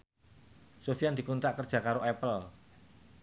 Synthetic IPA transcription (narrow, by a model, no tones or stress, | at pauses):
sofijand̪̥i̤kunt̪aʔkərd̥ʒ̥ä̤kaɾoʔɛpəl